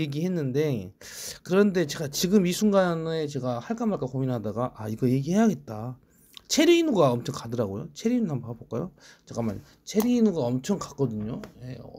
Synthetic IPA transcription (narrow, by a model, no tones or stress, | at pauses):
e̞ɡihe̞nːɯnde̞ | kɯɾʌnde̞t͡ɕe̞ɡat͡ɕiɡɯmisʰuŋɡane̞t͡ɕe̞ɡahaɭk͈amaɭk͈akominɦadaɡaʔaiɡʌjeɡiɦe̞jaɡe̞t̚t͈a | t͡ɕʰe̞ɾiinuɡaʌmt͡ɕʰʌŋkadɯɾaɡojo̰t͡ɕʰeɾiinunampaɡabok͈ajo̰t͡ɕeɡaman | t͡ɕʰe̞ɾiːnuɡaʌmt͡ɕʰʌŋkḁk͈̚ʌdɯɲojḛ